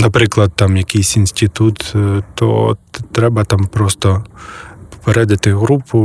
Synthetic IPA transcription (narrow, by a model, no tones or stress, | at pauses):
nɐpɾɪklˠɐd̪̚t̪amjɐkɪjsʲinʲsʲtʲɪt̪ut̪t̪ɔ̰t̪ɾɛbɐt̪ampɾɔst̪ɔ | pɔ̥peɾɛd̪ɐt̪ɪɣɾupʰʊ